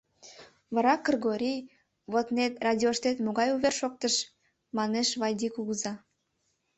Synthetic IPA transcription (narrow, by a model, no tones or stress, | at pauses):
βɑɾɑkːɤrɣoɾʲij | βot̪net̪rɑdʲioʃt̪et̪moɣɑjuβerʃok̚t̪əʃ | mɑneʃβɑjd̪ʲikuɣəzɑ